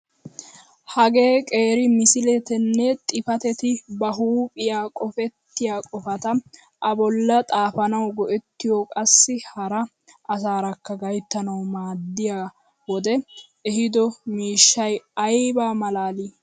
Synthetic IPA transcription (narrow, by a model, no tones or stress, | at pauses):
hɐɡe̞ːkʼe̞ːɾɪmɪsɪlɛt̪ɛnːɛt̪ʼɪfɐt̪ɛt̪ɪbɐɦuːpʼɪjaːkʼɔfɛt̪ːɪjaːkʼɔfɐt̪ɐ | ʔɐbɔlːɐt̪ʼaːfɐnɐwɡɔʔɛt̪ːɪjɔkʼɐsːɪhɐɾɐ | ʔɐsaːɾɐkːɐɡɐjt̪ːɐnɐwmaːd̪ːɪjaː | wɔd̪ɛ | ɛhɪd̪ɔmiːʃːɐjɐjbaːmɐlaːliː